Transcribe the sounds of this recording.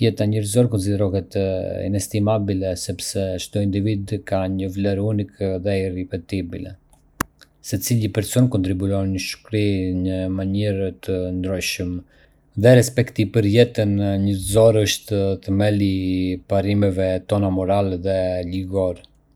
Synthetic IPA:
jɛt̪aɲəɾzɔɾkɔns̬id̪ɛɾɔɦɛt̪ḭnɛst̪imabilɛsɛpsɛʃt̪uind̪ivid̪kaɲəvlɛɾunikðɛirɛpɛt̪ibilɛ̰ | sət͡silipɛɾsɔnkɔnt̪ɾibuɾɔnəʃkɾiɲəmaɲiɾt̪ʰənd̪ɾɔjʃəm | ðɛɾɛspɛkt̪ipəɾjɛt̪ənɲəɾzɔɾəʃt̪ət̪əmɛlipaɾimɛvɛt̪ɔnamɔɾalɛðɛliɡɔɾ

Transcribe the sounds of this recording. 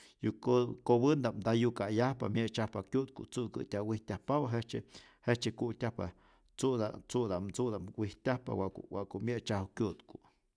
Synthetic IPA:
jukkowɨnd̪amd̪ajukajahpa̰mʲjet͡ʃahpakʲjut̪̚kṵt͡sukɨ̰tʲawihtʲahpawaɦet͡ʃe | het͡ʃekutʲahpa̰ | t͡sud̪a̰t͡sud̪amt͡sud̪amwʷihtʲahpa̰wawaʔkumʲjet͡ʃahukʲjut̪ku

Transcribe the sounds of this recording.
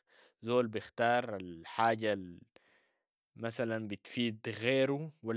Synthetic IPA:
zoːlbɪxt̪ɑːɾˤalħaːɟa | masalanbɪt̪fiːd̪ɣeːɾuwa

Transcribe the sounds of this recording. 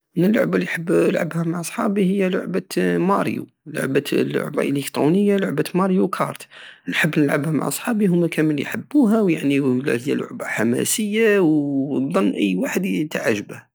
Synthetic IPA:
mənəlːʊ̰ʕbaliħəbːlʕəbhæmaʕʔɑsˤħɑbihəjːælʊ̰ʕbæmɑ̰ɾjṵ | lʊ̰ʕbælʊ̰ʕba̰ʔləkt̪ɾunəjːalʊʕbæt̪mɑɾjukʰɑ̰ɾˤt̪nħəbːnəlʕəbhæma̰ʕɑsˤħɑbiɦʊmːækʰæməlḭjħəbːuɦæwjaʕnil̰həjːæ̰lʊ̰ʕbaħamæ̰səjːawd̪ˤːɑnːʔəjːwaħəd̪t̪aʕaʒəbəh

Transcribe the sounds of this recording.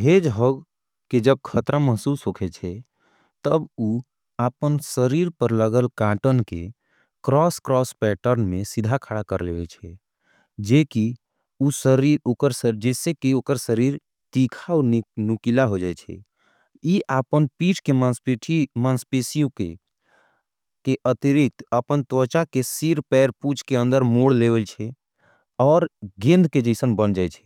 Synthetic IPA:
ɦed͡ʒɦoɡ | ked͡ʒəb̚kʰət̪ɾaməɦsuːsɦokʰet͡ʃʰɛ | t̪əbu | aːpənsəɾiɾpəɾləɡəlkãʈənkḛ | kɾɔskɾɔspɛʈəɾnmẽsid̪ʱakʰaɽakəɾlewet͡ʃʰɛ | d͡ʒeki | usəɾiɾokəɾsəd͡ʒɛːsekioːkəɾsəɾiɾ | t̪ikʰaɔnukilaɦod͡ʒaɛt͡ʃʰɛ̰ | jiʔapənpiːʈʰkemanspeʈʰimaːnspesijõke | keʔət̪iɾik̚t̪əpənt̪ɔt͡ʃakesiɾpɛːɾput͡ʃkeə̃nd̪əɾmoːɽlewəlt͡ʃʰɛ | ɔːɾɡẽnd̪ʱked͡ʒəɪsənbənd͡ʒaːɛt͡ʃʰɛ̥

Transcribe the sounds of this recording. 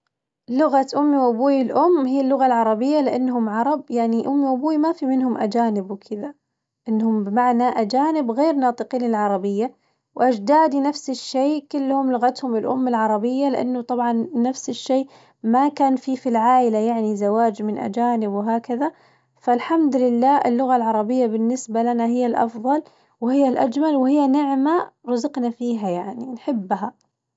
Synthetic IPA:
lʊɣaʔʊmːiwʔabuːjɪlʔʊmːɦiːlːʊɣalʕɑɾˤɑbɪjːalɪʔanːɦʊmʕɑɾˤɑbjaʕniʔʊmːiwʔabuːmafimɪnhʊmʔad͡ʒaːnɪbwkʰɪða | ʔɪnːhʊmbɪmaʕnaʔad͡ʒaːnɪbɣeːɾnɑːt̪ˤɨqiːnɪlʕɑɾˤɑbɪjːa | wʔad͡ʒd̪aːd̪inafsɪʃːeːkɪlːhʊmlʊɣat̪hʊmɪlʔʊ̰mːɪlʕɑɾˤɑbɪjːalɪʔa̰nːʊt̪ˤɑbʕɑnːafsɪʃːeː | makaːnfiːfilʕaːʔɪlajaʕnizawaːd͡ʒmɪnʔa̰d͡ʒaːnɪbwɦaːkaða | falħamd̪lɪlːaːɪ̰lːʊɣalʕɑɾˤɑbɪjːabɪnːɪsbalanaɦɪjːalʔɑ̰fðˤɑl | whɪjːalʔa̰d͡ʒmalwɪhɪjːanɪʕmaɾˤɑzɪqnafiːɦajaʕninħɪbːɦa

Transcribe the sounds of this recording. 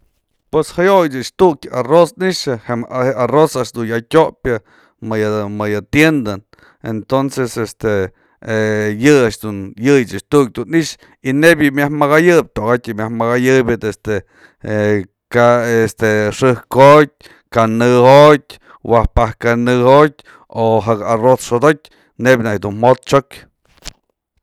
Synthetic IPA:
pweshajojt͡ʃaʔʂt̪uʔkʲarosniʔʂɨhehearosaʔʂd̪unjatʲoʔpjɨ | mɨjmɨjɨt̪jend̪an | ḛnt̪onsesest̪e | jɨaʂd̪unjɨjt͡ʃat͡ʃt̪uʔk̚d̪uniʔʂ | inebjɨmjahmaɣajɨb̚ʲt̪oɡatʲjɨmʲahmaɣajɨbʲɨt̪est̪e | kaest̪eʂɨhkot̚ʲ | kanɨhot̚ʲ | wahpahkanɨhot̚ʲ | oɦakarosʂod̪ok̚ʲ | nebʲnakd̪unmot̪̚t͡ʃokʲ

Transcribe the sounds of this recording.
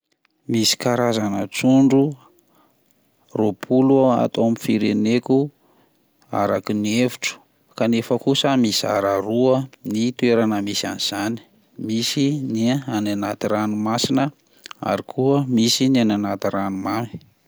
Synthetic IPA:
misi̥kaɾazanət͡suɳɖ͡ʐu | ropʰulua̰t̪oamifiɾeneku | a̰ɾakinieviʈ͡ʂə̥ | kanefəkusəmisia̰ɾaɾuənit̪ueɾanəmisa̰niz̥ani̥ | misiniananat̪iɾanumasinə | a̰ɾikʰuəmisiniananat̪iɾanumami̥

